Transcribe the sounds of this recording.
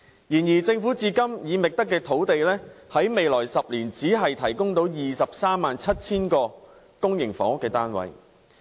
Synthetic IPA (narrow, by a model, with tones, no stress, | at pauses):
jiː˨˩njiː˨˩t͡sɪ˧ŋfu˨˥t͡siː˧kɐ˥mjiː˨˧mɪ˨k̚t̪ɐ˥kːɛː˧t̪ʰo˨˥wt̪e˨jlɛː˥hɐ˨˥jme˨jlɔː˨˩jsɐ˨p̚liː˨˩nt͡siː˨˥ɦɐ˨jt̪ʰɐ˨˩jkʊ˥ŋt̪o˨˥wjiː˨sɐ˨p̚saː˥mːaː˨nt͡sʰɐ˥t̚t͡sʰiː˥nkɔː˧ | kʊ˥ŋjɪ˨˩ŋfɔ̰ː˨˥ŋ˥kːɛː˧t̪aː˥nwɐ̰˨˥j